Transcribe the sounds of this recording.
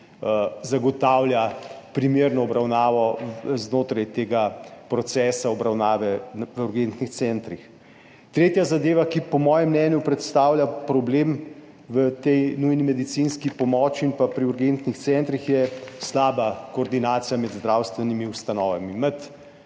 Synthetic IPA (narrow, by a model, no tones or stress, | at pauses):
əzaɡɔt̪aːwlʲjapɾimeɾnɔɔbɾawnaːʋɔznoːt̪ɾajt̪eːɡapɾɔt̪sɛːsaɔbɾawnaːʋɛʋəuɾɡent̪nixt̪sɛnt̪ɾix | t̪ɾeːt̪jazad̪eːʋakipɔmɔːjɛmːnɛnjupɾɛt̪st̪aːwlʲjapɾɔbleːm | ʋət̪ɛjnujnimɛd̪it̪sinskipɔmɔːt͡ʃiinpapɾiuɾɡent̪nixt̪sɛnt̪ɾixjɛslaːbakoːɾd̪inaːt̪sijamɛd̪zd̪ɾaːwst̪ʋɛnimiust̪anɔːʋamimət̪